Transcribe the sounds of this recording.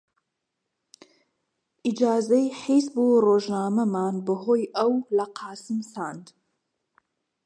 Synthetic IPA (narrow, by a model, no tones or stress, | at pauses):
ʔid͡ʒaːzɐjħiːsbuːroːʒnaːmɐmaːnbɨɦoːjʔɐwlɐqʰɑːsɨmsaːnd̪